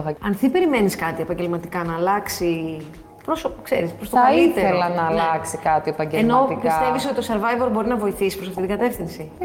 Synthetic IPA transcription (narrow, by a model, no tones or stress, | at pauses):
ɐɐnθipe̞ɾime̞niskɐt̪ie̞pɐɲɟe̞lmɐt̪ikɐnɐːlɐksi | pɾosokseɾispɾost̪okɐlit̪e̞ɾeollɐnɐːlɐksikɐt̪iepɐɲɟeeno̞ikpiɐst̪e̞visot̪it̪oseɾvɐjvo̞ɾbo̞ɾinɐvo̞iθisi̥spɾosɐft̪it̪iɡɐt̪e̞fθinsi